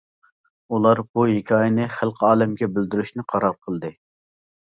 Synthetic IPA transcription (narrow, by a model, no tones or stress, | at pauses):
ulˠɑɾbuɦekʲʰɑːjɪnɪχælˠqʰəɑːlɛmɡʲɛbɪld̪yɾyʃnɪqʰɑɾɑɾqʰəlˠd̪ɨ